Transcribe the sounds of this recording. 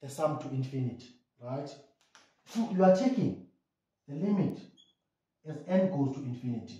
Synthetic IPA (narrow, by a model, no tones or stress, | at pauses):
dɛsãmtʰuĩnfinitʰi̥ | ɹajt | fujuatʰekĩŋ | ðɛlimitʰ | ɛzɛ̃ndɡoztʰuĩnfinitʰi̥